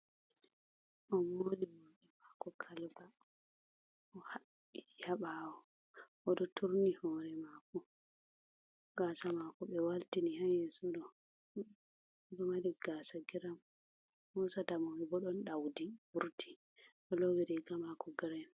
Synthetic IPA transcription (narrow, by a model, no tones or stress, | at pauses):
ʔɔnːoliwoɗɛmakɔkʰalba | ʔɔha | jaɓawɔ | ʔɔɗɔtʰuɾnihɔːɾɛmaku | ɡasamakɔɓɛwaltinihajɛsɔdɔ | ɗɔmadiɡasaɡiɾam | hɔsatamɔwibɔɗɔnɗawdibuɾtʰi̥ | ʔɔlowidɛɡamakɔɡɾɛn